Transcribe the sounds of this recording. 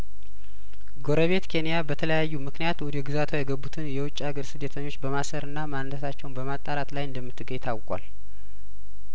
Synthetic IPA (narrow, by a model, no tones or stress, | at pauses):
ɡo̞ɾəβe̞t̪kʰe̞nijabət̪ʰələjajːumɨknijat̪wɔd̪ɛɡɨzat̪ʰajɛɡəbːut̪ʰɨnjɛwʊt͡ʃʼːaɡəɾsɨd̪ːet̪ʰəɲːo̞t͡ʃːbəmasəɾɨnːamant̪ʰət̪ʰat͡ʃːɛwnbəmat̪ʼːaɾat̪lajɨnd̪əmːɨt̪ʰːɨɡəjt̪ʰawkʼa̰l